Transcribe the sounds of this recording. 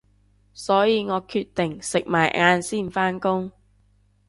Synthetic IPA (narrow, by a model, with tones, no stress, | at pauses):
sɔː˨˥jiː˨˧ŋɔː˨˧kʰyː˧t̪ɪ˨˩ŋsɪ˨k̚maː˨˩jʔaː˧nsiː˥˩nfaː˥nkʊ˥ŋ